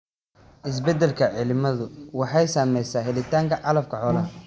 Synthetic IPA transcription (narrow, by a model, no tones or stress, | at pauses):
ʔɪs̬bɛd̪ɛlkʰɐʕɪlɪmɐðʊwɑħɑjsaːmɛjsaːɦɛlɪt̪ʰaːŋkʰɐʕɑlɐfkʰɐʕɔːlɐɦɐ